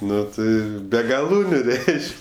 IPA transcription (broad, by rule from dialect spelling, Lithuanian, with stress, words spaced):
ˈnʊ ˈtɐɪ ˈbʲɛ ɡɐˈlˠuːnʲʊ ˈrʲɛɪʃʲkʲ